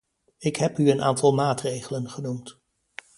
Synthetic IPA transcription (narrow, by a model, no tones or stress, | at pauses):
ɪkɦɛpyənʔa̰ːntɑlˠmaːtrejχələnχənumt